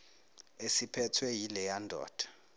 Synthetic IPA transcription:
esipʰɛtʰwɛjilɛjandʱɔ̰ːd̥ʱḁ

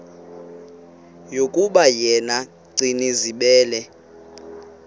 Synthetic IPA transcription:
jokʼuɓajɛna | ɡ͡ǀiniziɓɛːlɛ

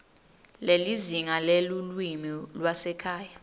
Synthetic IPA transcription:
leliziŋalelulwimilwasɛkʰaːja

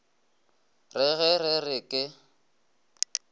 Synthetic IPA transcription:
rɪɣɛrɪrɪkʼɪ

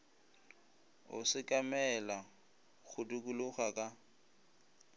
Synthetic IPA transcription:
ʊ̰sɪkʼamɛla | ɣʰʊdukʼulʊχakʼa

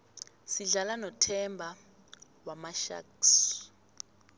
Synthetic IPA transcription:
siɮalanɔtʰɛmbʱa | wamaʃa̰ks

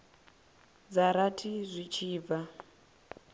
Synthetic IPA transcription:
d͡zaɾatʰizʷit͡ʃʰiːva

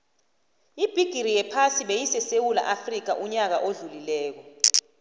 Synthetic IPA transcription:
ib̥ʱiɡ̥ʱiɾijɛpʰasiɓejisɛsewula̰ʔafrik̬a̰ʔuɲak̬aʔoɮulilɛːk̬ɔ

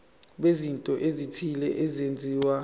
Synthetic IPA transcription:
ɓezintʼɔʔezitʰilɛʔezend͡zʱiːwa

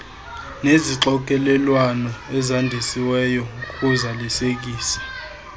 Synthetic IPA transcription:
neziǁɔk̬ʼɛlɛlwanɔɛzandʱesiwɛːjɔukʼuzalisek̬ʼiːsḁ

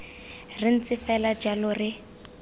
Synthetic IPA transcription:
rɪn̩t͡sɪfɛlad͡ʒalɔrɪ

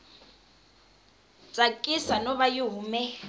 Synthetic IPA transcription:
t͡sʼakʼisanɔβajʊɦumɛ

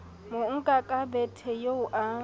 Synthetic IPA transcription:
moŋ̩kʼakʼabɛtʰɛjoʊʔa

